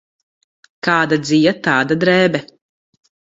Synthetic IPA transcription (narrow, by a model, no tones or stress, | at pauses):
kaːd̪ad̪zijat̪aːd̪ad̪ɾɛːbɛ